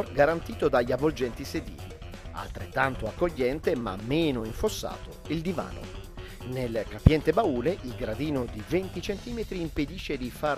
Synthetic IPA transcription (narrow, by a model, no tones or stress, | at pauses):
rɡaɾant̪iːt̪od̪aʎːavold͡ʒɛnt̪ised̪ḭːlḭ | a̰lt̪ɾet̪ːant̪oakːoʎːɛnt̪ema̰mːeːnoiɱfosːa̰ːt̪o | ild̪iva̰ːnʔo̰ | nelkapjɛnt̪ebauːleʔilɡɾad̪iːnod̪ivent̪it͡ʃent̪iːmet̪ɾiːmped̪iʃːed̪ifaɾ